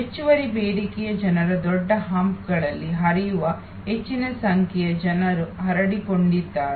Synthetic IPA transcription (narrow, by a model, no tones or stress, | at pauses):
et͡ʃːuʋɐɾibeːɽikijɐd͡ʒɐnɐɾɐd̪ɔɖːɐɦamp̚ɡɐɭɐlːiɦɐɾijuʋɐ | ɦet͡ʃːinɐsɐŋkʰjɛjɐd͡ʒɐnɐɾuɦɐɾɐɽikoɳɖid̪ːaːɾe